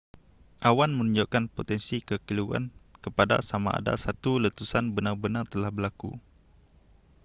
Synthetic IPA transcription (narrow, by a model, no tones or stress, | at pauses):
ʔawanmə̃nuɲd͡ʒoʔkanpot̪ɛnsikəkiluɡa̰nkəpada̰samaʔa̰da̰sat̪ulət̪usanbənarbənart̪əlahbəlakṵ